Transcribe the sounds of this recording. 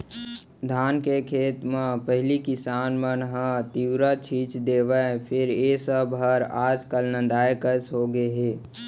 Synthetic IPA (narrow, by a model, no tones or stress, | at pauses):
d̪ʱaːnkekʰeːt̪mãpəɦɪlikɪsaːnmənɦə̃t̪iwɾat͡ʃʰiːt͡ʃd̪eːʋəpʰɪɾesəbɦəɾaːd͡ʒkəlnə̃nd̪aːjkəsɦoɡeɦeː